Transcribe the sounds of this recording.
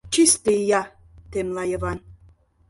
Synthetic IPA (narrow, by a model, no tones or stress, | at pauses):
t͡ʃist̪ejɑ | t̪emlɑjɤβɑn